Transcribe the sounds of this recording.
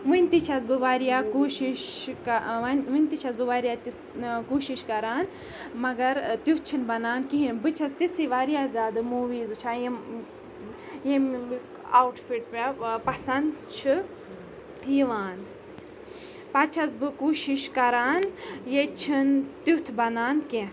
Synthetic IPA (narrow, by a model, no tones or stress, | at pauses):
ʋɨnʲt̪it͡ʃʰɐz̬bɨʋaːɾijaːkoːʃiʃkɐnʋɨnʲt̪it͡ʃʰɐzbɨʋaːɾijaːt̪is | koːʃiʃkɐɾaːn | mɐɡɐɾt̪iwt̪̚t͡ʃʰinbɐnaːnkiɦinbɨt͡ʃʰɐst̪isiʋaːɾijaːzʲaːd̪ɨmuːʋiːzɨt͡ʃʰaːje | jem | awʈfiʈpepɐsɐnd̪t͡ʃʰɨ | jiʋaːnd̪ | pɐt͡ʃʰɐsbɨkoːʃiʃkɐɾaːnjet͡ʃʰint̪ut̪ʰbɐnaːnkẽ